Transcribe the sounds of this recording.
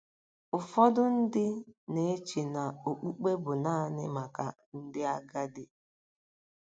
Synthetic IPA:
ʊ˨fɔ˦dʊ˦n̩˦dɪ˦ne˨e˦t͡ʃi˨na˨o˨k͡pu˦k͡pe˦bʊ˨na˦nɪ˦ma˨ka̰˨ | n̩˦dɪ˦a˦ɡa˦dɪ˦

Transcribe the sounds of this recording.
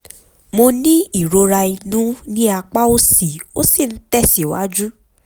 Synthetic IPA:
mo˧nĩ˦i˦˨ɾo˧ɾa˧i˧nũ˨˦nĩ˦a˧k͡pa˦o˦si˨o˦si˦˨n̩˦tɛ˦˨si˨wa̰˨˦d͡ʒu˦

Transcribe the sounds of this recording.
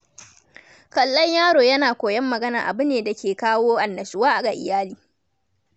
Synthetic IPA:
kɐ˨lːɐ˦ɲjaː˦ɽoː˨jɐ˦naː˨kʷoː˨jɐ˦mːɐ˨ɡɐ˦na̰ː˨ʔa̰˨bʊ˦neː˨da˨kʲeː˨kaː˦woː˦ʔa˨nːɐ˨ʃʊ˨waː˦ʔa˨ɡa˨ʔɪ̰˨jaː˦liː˨

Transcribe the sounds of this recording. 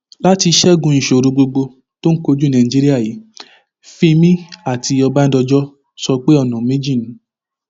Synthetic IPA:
la˦ti˧ʃɛ˦˨ɡũ˨˧n̩˨ʃo˨ɾũ˧ɡ͡bo˧ɡ͡bo˧ | to˦n̩˦ko˧d͡ʒu˦nã˨d͡ʒi˦ɾi˦a˦˨ji˨˦ | fĩ˦˧mĩ˦a˦˨ti˧ɔ˧ba˦n̩˦dɔ˧d͡ʒɔ˦ | sɔ˧k͡pe˦ɔ˦˨nã˨me˦d͡ʒĩ˦˨nũ˨˦

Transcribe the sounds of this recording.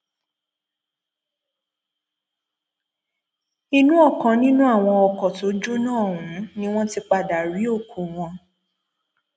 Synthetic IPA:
i˦nũ˦ɔ˦˨kã˨˧nĩ˦nũ˦a˦˨w̃ɔ̃˧ɔ˧kɔ˨to˨˦d͡ʒu˦nãː˦˨ũ˨˦nĩ˦w̃ɔ̃˦ti˧˦k͡pa˧˨da˨ɾi˨˦o˦˨ku˨w̃ɔ̃˧

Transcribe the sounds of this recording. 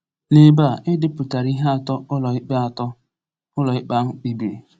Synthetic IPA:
ne˨ba˦˨ʔɪ˦dɪ˦pʊ˨ta˨ɾi˦ɦe˦a˨tɔ˦ʊ˦lɔ˨ɪ˦k͡pa˦a˨tɔ˦ | ʊ˦lɔ˨ɪ˦k͡pa˦ŋ͡m̩˦k͡pi˦be˨

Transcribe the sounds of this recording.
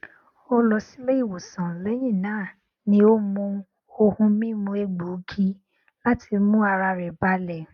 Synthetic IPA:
o˦lɔ˧si˦le˦i˦˨wo˨sã˨lɛ˨˦j̃ĩ˦˨nãː˨˦˨ | nĩ˧˦o˦mũ˧ | o˧hũ˧mĩ˦mũ˧e˧ɡ͡bu˨˦ɡi˧ | la˦ti˧mũ˦a˧ɾa˧ɾɛ˨ba˦lɛ˦˨

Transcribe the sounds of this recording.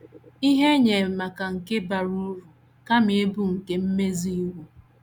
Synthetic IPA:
i˦ɦe˦ɲe˨ma˨ka˨ŋ̩˨ke˦ba˨ɾu˦ɾu˨ | ka˦mɪ˨e˦bu˦ŋ̩˨ke˦m̩˦me˦zi˦wu˦

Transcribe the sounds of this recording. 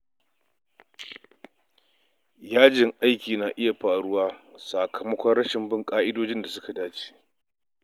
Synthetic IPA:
jaː˦d͡ʒɪ˨ŋʔa˦jkʲiː˨na˨ʔɪ˦ja˨ɸaː˨ɽʊ˦waː˦sa˨kɐ˨mɐ˦kʷɔ˦nɽɐ˦ʃɪ˨mbɪ˦ŋkʼaː˦ʔɪ˦doː˦d͡ʒɪ˦nda˨sʊ˦ka˨daː˦t͡ʃe̥ː˦

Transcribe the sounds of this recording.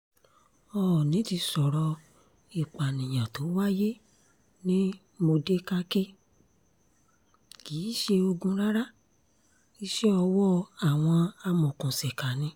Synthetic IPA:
ɔː˨nĩ˨˦ti˧sɔ˨ɾɔ˧ | i˨k͡pa˨nĩ˨j̃ã˨to˨˦wa˦je˦ | nĩ˦ | mo˧de˦ka˦ke˦ | ki˨˦ʃe˧o˧ɡũ˧ɾa˦ɾa˦ | i˧˦ʃɛ˦ɔ˧wɔ˦a˦˨w̃ɔ̃˧a˧mɔ̃˨kũ˨sɛ˨ka˨nĩ˧˦

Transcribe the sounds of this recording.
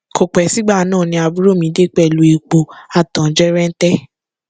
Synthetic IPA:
kʰo˨k͡pɛ˨˦si˦ɡ͡ba˦˨˦nãː˦˨nĩ˧a˧bu˦ɾo˦˨mĩ˧˦de˦k͡pɛ˦˨lu˧˦e˨˧k͡po˧a˨tã˨˦d͡ʒɛ˦ɾɛ˦n̩˦tɛ˦

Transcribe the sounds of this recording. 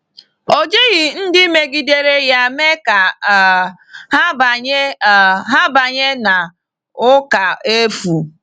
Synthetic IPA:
o˨d͡ʒe˦ɣi˨n̩˦dɪ˦me˦ɡi˦de˦ɾe˦ja˦me˦ka˨ | ha˦ba˨ɲe˦˨ɦa˦ba˨ɲe˦na˨ | ʊ˦ka˨e˦fu˨

